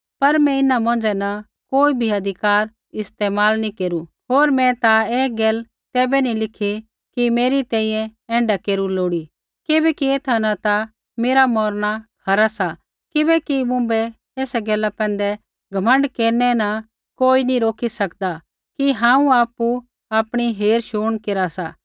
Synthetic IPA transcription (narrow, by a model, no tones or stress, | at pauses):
pɐɾmɛ̃ɪnamɐ̃nd͡ʒɛnɐ | koːibʱiɐd̪ʱɪkaːɾ | ɪst̪eːmaːlnĩkeːɾu | ɦoːɾmɛ̃t̪aeːɡɛːl | t̪ɛːbɛnĩlɪkʰi | kimeːɾit̪ɛ̃ːĩːjɛ̃ɛ̃ːɳɖakeːɾuloːɽi | kɪbɛkieːt̪ʰanãt̪a | meːɾamɔːɾnakʰɐɾasa | kɪbɛkimʊ̃bɛ | eːsaɡɛːlapɛ̃ːnd̪ɛ | ɡʱɐmə̃ɳɖkeːɾnɛnɐ | koːinĩɾoːkʰisɐkd̪a | kiɦãːũaːpːu | aːpɽ̃iɦeːɾʃuːɽ̃keːɾasaː